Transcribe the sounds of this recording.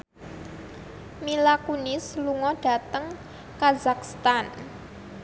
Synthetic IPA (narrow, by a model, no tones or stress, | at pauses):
milakunɪsluŋɔɖ̥a̤t̪əŋ | kazakst̪an